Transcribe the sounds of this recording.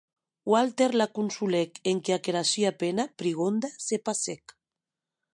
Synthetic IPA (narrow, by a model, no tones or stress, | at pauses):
walt̪eɾlakunsulekeŋkeakeɾasiapenapɾiɣond̪asepasek